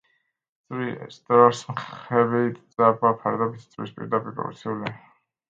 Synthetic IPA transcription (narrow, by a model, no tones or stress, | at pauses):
sʼɾist̪ʼɾaɾsmχɛbit̪ʼzʼabapʰaɾd̪abit̪ʰt̪sʼɾḭspʼḭɾd̪apʼiɾpʼɔ̰vḭsʰiuli